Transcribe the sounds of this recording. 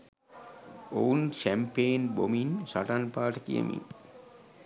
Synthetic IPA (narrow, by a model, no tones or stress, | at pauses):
owunʃæmpeːnbominsaʈanpaːʈəkḭə̰mḭn